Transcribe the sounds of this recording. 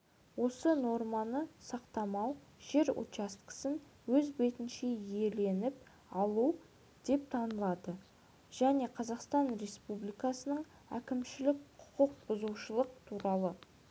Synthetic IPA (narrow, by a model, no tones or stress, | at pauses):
wo̞səno̞ɾmɑnəsɑqt̪ɑmɑwʒ̥e̞ɾo̰t̪ast̪kə̥sən | wɵzbe̞t̪ɪnʃe̞e̞le̞nɪp̚ | ɑlˠuw | d̪̥e̞p̚t̪ʰɑnəlˠɑd̪ə | ʒ̥æne̞qʰɑzɑqst̪ɑnre̞spublijkɑsənəɴ | æ̰kʲɪmʃɪlɪkqʰʊ̥qəq̚bʊzuwʃəlˠəq̚t̪ʰuɾɑlˠə